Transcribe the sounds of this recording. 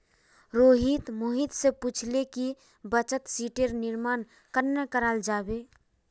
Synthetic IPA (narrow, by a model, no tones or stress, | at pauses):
ɾoːɦit̪moɦit̪seput͡ʃʰleki | bət͡ʃət̪siʈeɾnɪɾmaːn | kəɾnekəɾaːld͡ʒaːbeː